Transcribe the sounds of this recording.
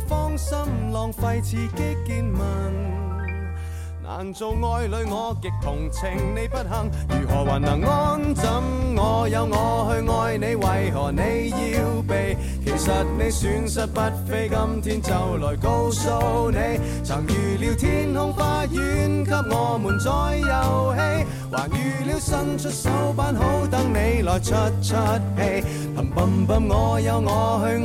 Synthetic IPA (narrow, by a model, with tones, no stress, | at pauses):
fɔː˥ŋsɐ˥mlɔː˨ŋfɐ˧jt͡sʰiː˨˧kɪ˥kiː˧nmɐ˨˩n | nʔa̰ː˨˩nt͡so˧wŋɔː˧jlɵ˨˧ɥŋɔː˨˧kɪ˨k̚t̪ʰʊ˨˩ŋt͡sʰɪ˨˩ŋne˨˧jpɐ˥t̚hɐ˨ŋ | jyː˨˩hɔː˨˩waː˨˩nɐ˨˩ŋːɔː˥nt͡sɐ˨˥mŋɔː˨˧jɐ˨˧wŋɔː˨˧hɵ˧ɥŋɔː˧jne˨˧jwɐ˨jɦɔː˨˩ne˨˧jjiː˧wpe˨j | kʰe˨˩jsɐ˨t̚ne˨˧jsyː˨˥nsɐ˥t̚pɐ˥t̚fe˥jkɐ˥mt̪ʰiː˥nt͡sɐ˨wlɔː˨˩jko˥wso˥ne˨˧j | t͡sʰɐː˨˩ŋjyː˨liː˨˧wt̪ʰiː˥nhʊ˥ŋfaː˧˥t̚jyː˨˥nkʰɐ˥p̚ŋɔː˨˧muː˨˩nt͡sɔː˨˧jːɐ˨˧whe˥j | waː˨˩kjyː˨liː˨˧wsɐ˧ŋt͡ʃʰɵ˥t̚sɐ˨˥wpaː˧˥nɦo˨˥wt̪ɐ˨˥ŋne˨˧jlɔː˨jt͡ʃʰə˥t̚t͡ʃʰə˥t̚he˧˥j | lʰɐ˨˩mpɐ˨˩mpɐ˧mŋɔː˨˧jɐ˨˧wŋɔː˨˧hɵ˧